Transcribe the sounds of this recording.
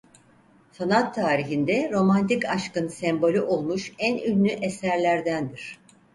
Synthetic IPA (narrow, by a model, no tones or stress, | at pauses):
sanat̪ʰːaːɾiɦind̪ɛɾo̞mant̪ikaʃkɯnsɛmbo̞lʲyʔo̞lˠmuʃænynlʲyʔesæɾlʲæɾd̪ænd̪iɾ̝̥